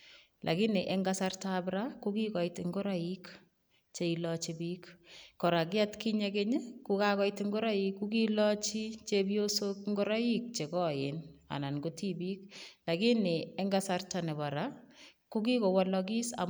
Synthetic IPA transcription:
lʔa̰˨ɡi˦nɪ˨ʔɛ˨ŋɡa˦sa˦rta˦bɾa˦kuki˦kɔ˨itɪ˨ŋɡo˦ɾa˦i˦k | t͡ʃe˦i˨lɔt͡ʃibiːkːɔ˨ɾa˨kɪ˦a˦tki˦ɲɛ˦ke˦ɲe˦ku˦ka˦kɔ˦jtɪ˦ŋɡʊ˦ɾa˦jikːuki˦lɔt͡ʃi˦t͡ʃe˦bjo˦so˦kŋɡo˦ɾa˦i˦k̚t͡ʃe˨kɔ˦jɪna̰˨na˨nɡu˦ti˦bi˦kla˨ɡi˦nɪ˨ɛ˦ŋɡa˦sa˦rta˨nɛ˨ba˨ɾa˦ | ku˦ki˦ko˨wɔ˨lɔk̬i˦sa̰˨

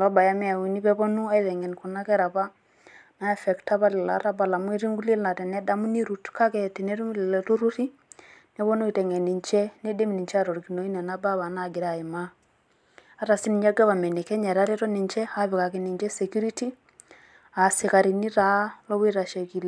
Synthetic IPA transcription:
lɔ˦ba˨ja˦mɛ˦a˨wi˨ni˦pɛ˦bɔ˦nu˦a˦i˦ðɛ˨ŋɡɛ˨nku˨na˦kɛ˦ɾa˨pa˦ | na˦ɛ˨fɛ˨kta˦βa˦lɛ˨la̰˨˦ɾa˦ba˨la˨mwi˦ɾi˦ŋɡu˦le˦lna˨tɛ˨nɛ˦da˦mu˦ni˦ɾu˨tka˦kɛ˦˨ti˨nɛ˦ɾu˦˨lɛto˦ɾu˦ɾi˦ | nɛ˦βɔ˦no˦i˨tɛ˨ŋɛ˨ni˨ɲt͡ʃɛ˦ne˦de˦m˨ni˨ɲt͡ʃɛ˦a˦ɾɔ˨ɾki˨no˨˦i˦nɛ˨na˦ba˦βa˨na˨ɡɪ˨ɾa˨ɪ˨ma˦ | a˦ɾa˨si˦ni˨ɲɛ˦ɡɛ˦βa˨mɛ˨nɛ˨kɛ˦ɲɛ˨ɾa˦ɾe˦tɔ˦ni˨ɲt͡ʃɛ˦a˦βɪ˨ka˨kɪ˨˦ni˨ɲd͡ʒɛ˦sɛ˨kju˦ɾi˦ti˦ | a˨sɪ˨ka˨ɾi˨ni˦ɾa˨˦lɔ˦βi˦ɾa˨ʃɛ˨ki˨l

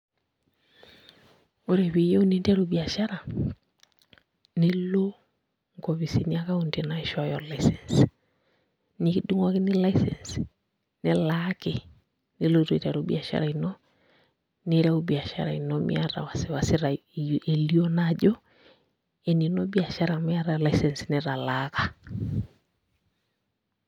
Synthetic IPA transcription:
o˦ɾe˨βe˨jɔ˦u˦ne˦nda˦ɾo˨bi˨a˨ʃa˦ɾa˨ | ne˦lo˦ | ŋɡɔ˨βi˨si˨nia˦ka˦ondena˦e˨ʃa˦jɔ˨laisɛns | nidu˦ŋwa˦ke˦ni˦la˦isɛns | ne˦lake | nɪ˦lo˦ɾi˨ta˨ɾobia˨ʃa̰˦ɾa˨inɔ | ne˦ɾa˦o˦bi˨a˨ʃa̰˦ɾa˨i˨nɔmʔḭa˦ɾa̰˨wa˨sewa˨seɾa | ʔe˨liɔ˦naʄɔ˦ | e˨ninɔ˦bia˨ʃa˦ɾamia˦ɾalaisɛ˨nsnɛɾa˨laka˨

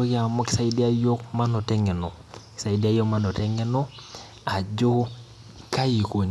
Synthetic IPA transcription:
o˦ka˨mo˦ki̥˨sa˦˨i˦di˦a˦jo˦kma˦no˨tɛ˦ŋe˨no˨ | ki̥˨sa˨i˨di˦a˦jo˦ma˦no˨tɛ˦ŋe˦no˦ | a˨d͡ʒo˦ | ka˦ji˨ko˨ɲ

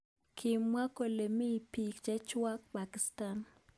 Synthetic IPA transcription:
kʰɪ˨mːwa˦ko˨le˨mi˦˨pi˨kt͡ʃɛ˦t͡ʃwa˦kpa˨ki˨sta˨n

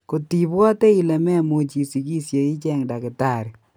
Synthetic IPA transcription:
ko˨ti˨bwɔ˦tɛ˦i˨le˨mɛ˦mo˨t͡ʃi˨si˨ki˦sje˨i˦t͡ʃɛ˦ŋda˨kɪ˨ta˨ɾi˨

